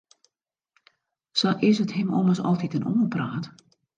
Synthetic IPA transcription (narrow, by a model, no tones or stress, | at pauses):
sɔʔɪsəthɪmɔ̰məsɔ̰lˠtitəno̰ːəpraːt